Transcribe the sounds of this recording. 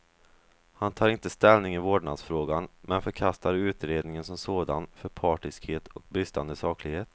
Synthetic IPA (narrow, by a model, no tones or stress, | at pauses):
hant̪ʰɑːɾɪnt̪əst̪ɛlnɪŋɪvoːɖɳad̪sfɾoːɡanmɛnfœɾkʰast̪aɾʉ̟ːt̪ɾeːd̪nɪŋənsɔmsoːd̪anfœɾpʰɑːʈɪskheːt̪ʰɔk̚bɾɪst̪a̰nd̪əsɑːklɪɡheːt̪